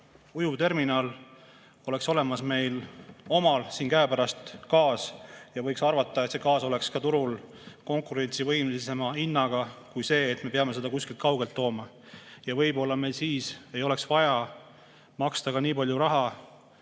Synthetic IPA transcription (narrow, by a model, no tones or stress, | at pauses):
ujut̪e̞rminɑːl | o̞le̞kso̞le̞mɑsme̞jlo̞mɑlsiːnkæepæɾɑst̪kɑːsjɑvɤjksɑrvɑt̪ˑːɑet̪se̞kɑːso̞le̞kskɑt̪uɾul | ko̞ŋkuɾe̞nʲt̪sivɤjmlise̞mɑinːɑɡ̥ɑkujse̞ːt̪me̞peɑmese̞d̪ɑkusʲkilt̪kɑwɡ̥e̞lt̪ːo̞ːmɑ | jɑvɤjbo̞lːɑme̞jlsiːse̞jo̞le̞ksvɑjɑ | mɑkst̪ɑkɑniːpɑlʲjuɾɑɦɑ